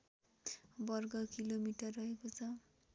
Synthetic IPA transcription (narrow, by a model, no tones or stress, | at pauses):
bʌrɡʌkilomiʈʌrːʌɦekot͡sʰʌ